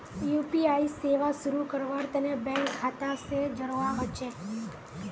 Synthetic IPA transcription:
jupiaiseʋasuɾukəɾʋaɾt̪ənebɛ̃ŋkkʰːat̪ased͡ʒəɾʋaʋət͡ʃʰe

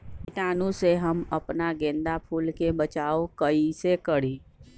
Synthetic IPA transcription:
pɪʈaːnũseɦəməpnaɡẽːnd̪apʰuːlkebət͡ʃaːokəisekəɽi

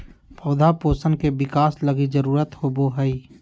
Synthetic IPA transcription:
pʰɔːd̪ʱapoːsənkebɪkaːsləɡid͡ʒəɾuːɾət̪hoboɦəi

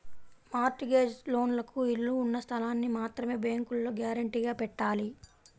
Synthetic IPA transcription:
maːɾʈiɡeːd͡ʒlo̞ːnlɐkuiɭːuːnːɐst̪ʰɐlaːnːimaːt̪ɾɐme̞ːbeːŋkulːoːɡaːɾɐɳʈiɡaːpɛʈːaːli

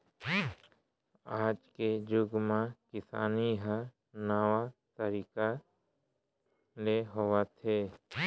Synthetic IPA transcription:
aːd͡ʒked͡ʒʊɡmãkɪsa̰ːniɦa | nəwat̪əɾiːka | leɦʊwat̪ʰeː

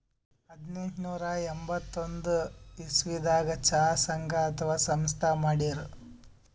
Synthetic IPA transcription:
ɐd̪nent̪nuːɾɐembɐt̪ːond̪uisʋid̪aːɡɐt͡ʃaːsɐŋɡʱɐːt̪ʰɐʋaːsɐmst̪ʰɐmaːɽiɾu

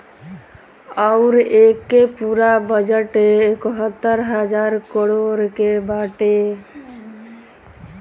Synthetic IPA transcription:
aʊɾekːepuɾabəd͡ʒəʈeːkəɦət̪ːəɾɦəd͡ʒaɾkəɽoɾkebaʈe

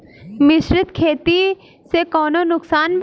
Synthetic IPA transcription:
mɪʃɾɪt̪kʰeːt̪i | sekɔːnonʊksaːnb

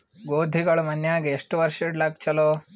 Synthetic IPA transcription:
ɡoːd̪ʱiɡɐɭumɐnjaːɡeeʂʈuʋɐɾʃeʈlaːɡ̚t͡ʃɐloː

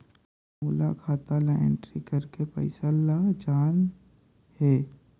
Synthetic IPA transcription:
moːla̰kʰaːt̪alaḛ̃ɳʈɾikɐɾkepɐ̰ɪsalad͡ʒaːn | heː

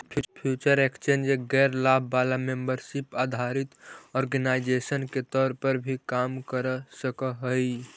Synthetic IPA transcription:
pʰpʰjuːt͡ʃəɾekst͡ʃẽːnd͡ʒeɡɛːɾlaːbʱbaːlamembəɾʃɪpaːd̪ʱaɾɪt̪ɔːɾɡənaɪd͡ʒesənket̪ɔːɾpəɾbʱikaːmkəɾsəkəɦəi

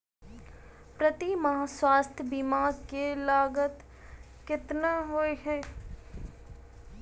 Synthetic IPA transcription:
pɾət̪imɐɦaːswaːst̪ʰjəbiːmaːɾkelaːɡət̪ | kɪt̪naɦoːeɦɛː

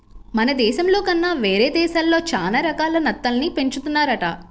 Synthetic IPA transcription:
mɐnɐd̪ɛːʃɐmlo̞ːkɐnːaːʋeːɾeːd̪ɛːʃaːlːo̞ːt͡ʃaːlɐɾɐkaːlɐnɐt̪ːɐlɐnipe̞ɲt͡ʃut̪unːaːɾɐʈɐ

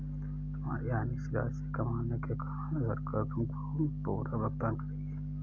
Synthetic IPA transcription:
t̪ʊma̰ːɾiaːnisɪla̰ːsikɐmaːnekeka | ɡʱɐɾkat̪ʊmkopuːɾabɐɡt̪aːnkɐɾie

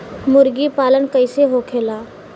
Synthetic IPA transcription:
mʊɾɡipaːlənkəɪseɦoːkʰeːlaː

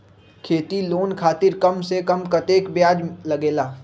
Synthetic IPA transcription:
kʰeːt̪iloːnkʰaːt̪ɪɾkɐmsekɐmkɐt̪eːkbjaːd͡ʒlɐɡeːlaː

